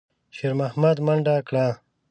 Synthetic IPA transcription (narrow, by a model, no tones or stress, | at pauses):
ʃeɾmahmad̪mɐɳɖakɽa